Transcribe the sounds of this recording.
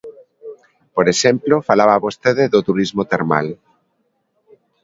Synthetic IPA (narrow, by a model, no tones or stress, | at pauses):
poɾeʃemplofalaβaːβost̪eðeðot̪uɾizmot̪eɾma̰l